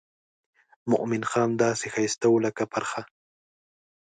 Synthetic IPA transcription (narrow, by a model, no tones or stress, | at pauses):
mʊ̰ʔmɪnxɑːmd̪aːsɪxajst̪awlakapaɾχa